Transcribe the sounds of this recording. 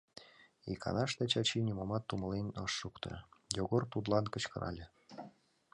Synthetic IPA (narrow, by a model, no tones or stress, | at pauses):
ḭkʰɑ̰nɑʃt̪ɑt͡ɕɑt͡ɕinʲimomɑt̪ːumɤ̆lenʲɤʃːukt̪ɤ̰̆joɣort̪ut̪lˠɑnkə̆t͡ɕkɤ̆ɾɑ̰lʲĕ